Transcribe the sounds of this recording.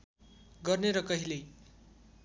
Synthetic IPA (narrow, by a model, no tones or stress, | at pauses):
ɡʌrneɾʌkʌɦile